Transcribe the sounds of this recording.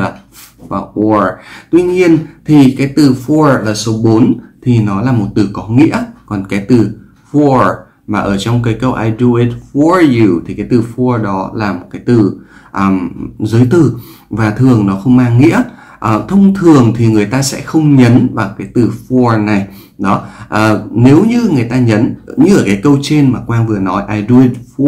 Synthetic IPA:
a˨˩ | vaː˨˩ʔɔ˧t̪wi˧ɲi˧ənt̪ʰi˨˩kaː˨˦jt̪ɨ˨˩fu˧əlaː˨˩so˨˦ɓo˨˦nt̪ʰi˨˩nɔ˨˦laː˨˩mo˨˩t̚t̪ɨ˨˩kɔ˨˦ŋḭ˧˥əkɔ˨˩nkaː˨˦jt̪ɨ˨˩ | fɔ˧ | maː˨˩ʔəː˧˩t͡ɕɔ˧wŋ͡mk̬aː˨˦jkə˧wʔaː˧jdu˧i˧t̚fɔ˧ju˧˩t̪ʰi˨˩kaː˨˦jt̪ɨ˨˩fu˧ɗɔ˨˦laː˨˩mo˨˩t̚kaː˨˦jt̪ɨ˨˩ʔəː˨˩mzəː˨˦jt̪ɨ˨˩ | vaː˨˩t̪ʰɨ˨˩əŋnɔ˨˦xə˧wŋ͡mmaː˧ŋŋḭ˧˥ə | ʔəː˧˩t̪ʰə˧wŋ͡mt̪ʰɨ˨˩əŋt̪ʰi˨˩ŋɨ˨˩əjt̪aː˧sɛ̰˧˥xə˧wŋ͡mɲə˨˦nvaː˨˩wkaː˨˦jt̪ɨ˨˩fɔ˧na˨˩j | ɗɔ˨˦ʔəː˨˩ne˨˦wɲɨ˧ŋɨ˨˩əjt̪aː˧ɲə˨˦nɲɨ˧ʔəː˧˩kaː˨˦jkə˧wt͡ɕe˧nmaː˨˩kwaː˧ŋvɨ˨˩ənɔ˨˦jʔaː˧˩jɗu˧i˧t̚f

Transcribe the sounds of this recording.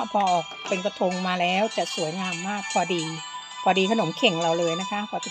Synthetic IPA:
pʰɔː˧ʔɔː˨˩k̚pe˧nka˧t̪ʰo˧ŋmaː˧lɛː˦˥wt͡ɕɛ˨˩su˨˩˦əjŋaː˧mːaː˥˩k̚pʰɔː˧diː˧ | pʰɔː˧diː˧kʰa˧no˨˩˦mkʰe˨˩ŋɾa˧wlɤː˧jna˦˥kʰa˦˥pʰɔː˧t͡ɕ

